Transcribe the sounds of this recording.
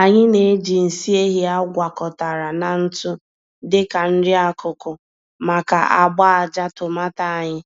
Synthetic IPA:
a˨ɲɪ˦ne˨˦d͡ʒi˨n̩˨si˦e˦ɦi˦a˦ɡʷa˨kɔ˨ta˨ɾa˨na˨n̩˦tʊ˦ | dɪ˦ka˨n̩˦ɾi˦a˦kʊ˨kʊ˨ | ma˨ka̰˨ʔa̰˨ɡ͡ba˦a˨d͡ʒa˦tʊ˨ma˦ta˨a˨ɲɪ˦

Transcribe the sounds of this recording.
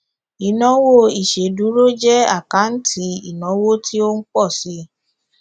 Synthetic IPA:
i˨nɔ̃˦wo˦i˨ʃe˨dũ˨˦ɾo˦d͡ʒɛ˦a˦˨ka˨˦n̩˦tʰi˧i˨nɔ̃˨˦wo˦ti˦o˦n̩˦k͡pɔ˦˨si˧˦

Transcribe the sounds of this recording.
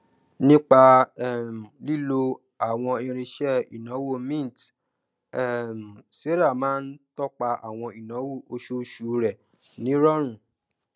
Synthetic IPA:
nĩ˦k͡pa˧ɛ˨m˨li˦lo˧ | a˨w̃ɔ̃˧ĩ˧ɾ̃ĩ˧ʃɛ˦ḭ˨nã˨˦wo˦˨mĩ˦˨t | ɛ˦˨m˨se˨˦ɾa˦˨mãː˦n̩˦tɔ˦k͡pa˧ʔa̰˨w̃ɔ̃˧i˨nã˨˦wo˦˨o˧ʃo˧˦ʃu˨˦ɾɛ˨ | nĩ˨˦ɾɔ˦ɾ̃ũ˨

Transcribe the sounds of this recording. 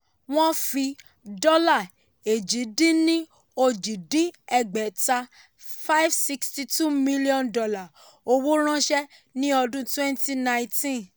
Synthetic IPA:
w̃ɔ̃˦fi˧ | dɔ˦la˦˨ | e˨d͡ʒi˨˦dĩ˦nĩ˦ | o˧d͡ʒi˨˦dĩ˦ɛ˧ɡ͡bɛ˨˦ta˧ | fa˦jfsi˧ksti˧tu˦˨mĩ˦li˦ɔ̃˦˨ndɔ˧la˨ | o˧wo˦ɾ̃ã˦ʃɛ˦ | nĩ˦ɔ˧dũ˦twɛ̃˦nti˦nã˧ĩ˦tĩ˦

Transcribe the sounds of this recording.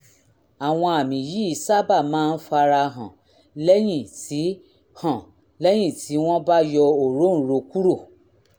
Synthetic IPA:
a˨w̃ɔ̃˧a˨mĩ˨ji˨˦i˨sa˦ba˦˨mãː˦˧n̩˦fa˧ɾa˧ɦã̰˨ | lɛ˦j̃ĩ˦˨ti˨˦ | hã˦˨ | lɛ˦j̃ĩ˦˨ti˨˦w̃ɔ̃˦ba˦jɔ˧o˨ɾo˨˦ñ̩˨ɾo˧ku˦ɾo˦˨

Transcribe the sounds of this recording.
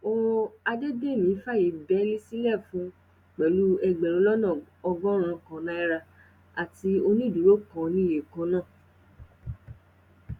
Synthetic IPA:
o˦a˧de˦de˦˨nĩ˨˦fa˦˨je˨bɛ˦li˦si˦lɛ˦˨fũ˦ | k͡pɛ˨lu˦ɛ˧ɡ͡bɛ˨ɾõ˧˦lɔ˦nã˦˨ | ɔ˧ɡɔ˦ɾ̃ũ˧˦kã˨˦nã˦i˧ɾa˧ | a˨ti˧˦o˧nĩ˦˨du˨ɾo˦kã˨nĩ˦je˨kɔ̃˨˦nã˦˨

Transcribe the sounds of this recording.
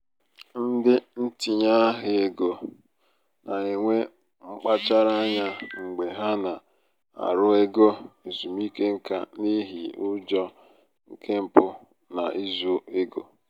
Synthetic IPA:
n̩˦dɪ˦n̩˦ti˨ɲa˦ɦɪ˦e˨ɡo˨ | na˨i˨ŋʷe˦ | ŋ͡m̩˦k͡pa˦t͡ʃa˦ɾa˦ɲa˦ŋ͡m̩˨ɡ͡be˨ɦa˦na˨ | a̰˨ɾʊ˦e˦ɡo˦e˨zu˨mi˦ke˦ŋ̩˨ka˦ni˦ɦi˨ʊ˦d͡ʒɔ˦ | ŋ̩˨kʰe˦m̩˨pʊ˦ | na˨ʔi˦zo˦e˦ɡo̰˨

